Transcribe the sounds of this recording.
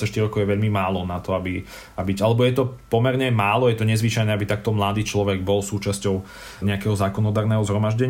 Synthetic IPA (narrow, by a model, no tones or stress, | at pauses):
sɛʃt̪iɾɔkɔʊjɛʋɛʎmimaːlɔnat̪ɔabi | abiɟalɛbɔjɛt̪ɔpɔmɛɾɲɛmaːlɔjɛt̪ɔɲɛzʋit͡ʃajnɛabit̪ak̚t̪ɔmlad̪iːt͡ʃlɔʋɛɡbɔlsuːt͡ʃascɔʊ | ɲɛakɛɦɔzaːkɔnɔd̪aːɾnɛɦɔzɦɾɔmaʒɟɛɲ